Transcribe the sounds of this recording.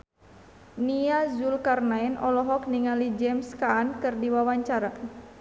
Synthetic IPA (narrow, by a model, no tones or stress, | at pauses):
niazulkarnaɛnɔlɔɦɔk̚niŋalid͡ʒɛmskaːnkɨrdiwawaɲt͡ʃaɾa